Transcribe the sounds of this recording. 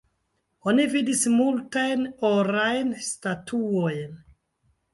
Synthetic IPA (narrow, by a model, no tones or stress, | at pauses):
onividismultajnoɾajnstatʰuojn